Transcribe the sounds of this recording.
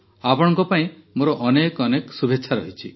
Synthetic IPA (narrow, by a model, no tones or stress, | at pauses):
apɔɽ̃ɔ̃ŋkɔpaĩmoɾɔʔɔnekɔneksubʱeːt͡ʃʰaɾɔɦit͡ʃʰi